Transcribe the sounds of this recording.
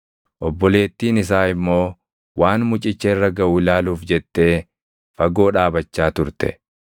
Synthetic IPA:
ʔɔbːɔle̞ːt̪ːiːnɪs̬aːɪmːo̞ː | waːnmʊt͡ʃʼɪt͡ʃːɛɪrːɐɡɐʔuːɪlaːluːfd͡ʒɛt̪ːe̞ː | fɐɡo̞ːᶑaːbɐt͡ʃːaːt̪ʊɾt̪ɛ̥̰

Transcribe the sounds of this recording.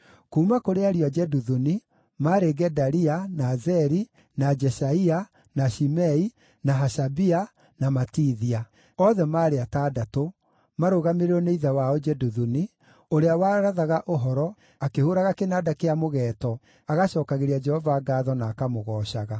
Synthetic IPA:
koumakoɾeaɾiad͡ʒɛduðuni | maɾeɡɛdaɾianazɛɾi | nad͡ʒɛʃaia | naʃimɛi | naɦaɕabia | namatiːðia | ɔðɛmaːɾeataːdato | maɾoɣameɾeɾɔneiðawaɔd͡ʒɛduðuni | oɾeawaɾaðaɣaʔoɦɔɾɔ | akehoɾaɣakenadakeamoɣɛːtɔ | aɣaɕɔːkaɣeɾiad͡ʒɛhɔvaːɡaːðɔnaːkamoɣɔːɕaɣa

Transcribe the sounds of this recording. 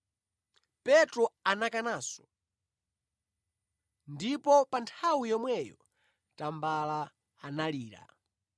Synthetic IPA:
pɛtɾɔanakanaːsɔ̥ | ndipɔpantʰawijɔmwɛjɔ | tambalaː | naliːɾa̰

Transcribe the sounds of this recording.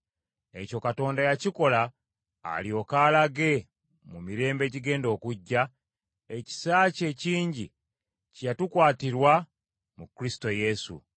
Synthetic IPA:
e̞co̞kato̞ːndajaciko̞la̰ː | lio̞kaːlaɡe̞ | mumiɾe̞ːmbe̞ɟiɡe̞ːndo̞ːkuɟːa | e̞ci̥saːce̞ciːɲɟi | cjatukwaːtiɾwa | mukɾisi̥to̞je̞sṵ

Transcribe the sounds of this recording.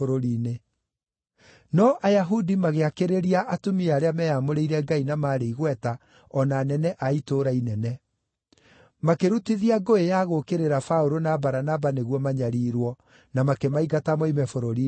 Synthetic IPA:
oɾoɾiːne | nɔʔajaɦudimaɣeakeɾeɾiaʔatumiaɾeamɛjamoɾeiɾɛɡainamaːɾeiɣwɛta | ɔnanɛnɛʔaitoːɾainɛnɛ | makeɾutiðiaɡoejaɣokeɾeɾafaoɾonabaɾanabaneɣwɔmaɲaɾiːɾwɔ | namakemaiɡatamɔimɛfoɾoɾi

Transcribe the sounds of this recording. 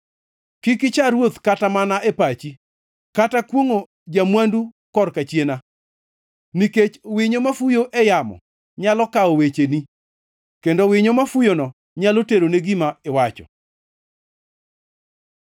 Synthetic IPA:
kɪkɪt͡ʃaɾwot̪katamanaʔepat͡ʃi | katakwoŋo | d͡ʒamwandu | kɔrkat͡ʃjena | niket͡ʃwɪɲomafujoʔɛjamɔ̰ | ɲalɔkaowet͡ʃeni | kendowɪɲomafujonɔ | ɲaloteɾoneɡimaewat͡ʃɔ̰

